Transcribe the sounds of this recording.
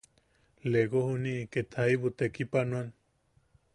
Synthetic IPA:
leɡohuniʔket̪ʰaiβut̪ekipanũan

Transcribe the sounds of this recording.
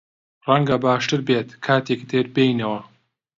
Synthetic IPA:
rɐŋɡɐbaːʃt̪ɨɾbeːt̪kʰaːt̪ʰekd̪eɾbejnɐwɐ

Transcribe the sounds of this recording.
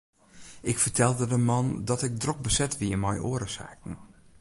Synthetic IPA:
ɪkfərtʰɛlˠdədəmɑndɔtɪk̚drɔk̚bəsɛtʋiəmɔjʔo̰ːəɾəsa̰ːkn̩

